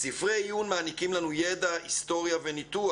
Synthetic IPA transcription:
sifʁejunmaːnikimlanujed̪ahist̪o̞ʁjavenit̪ua

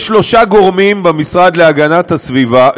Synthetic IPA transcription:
ʃlo̞ʃaɡo̞ʁmimbemisʁad̪leaɡanat̪hasviva

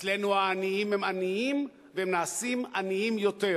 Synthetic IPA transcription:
t͡slenuaːniimhemaniim | vehemnaːsimaniimjo̞t̪e̞

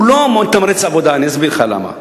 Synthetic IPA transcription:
lomont̪amɾet͡savod̪aːniazbiɾχala̰ma̰

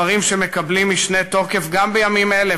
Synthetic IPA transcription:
ɐʁimʃe̞mekɐblimiʃne̞t̪o̞ke̞fɡambejamimele

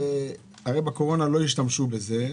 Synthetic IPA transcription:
aʁejbako̞ʁo̞nalo̞iʃt̪amʃube̞ze̞

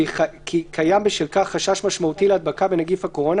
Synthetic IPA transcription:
kʰikʰajambiʃilkaχːaʃaʃmaʃmaut̪ilead̪̚bakabenaɡifhako̞ʁo̞n

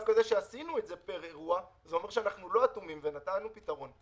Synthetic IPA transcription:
zkozeʃeasinuetze̞peʁeʁuazeo̞me̞ʁʃeanaχnulo̞at̪umimvenat̪aanupit̪aʁo̞n

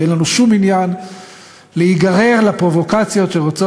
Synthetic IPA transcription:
enlanuʃuminjan | leiɡaʁe̞ʁlapʁo̞vo̞kat͡sjo̞tʃe̞ʁot͡so

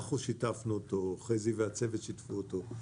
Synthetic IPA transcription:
χuʃitafnuotoχejziveat͡sevet̪ʃitfuoto

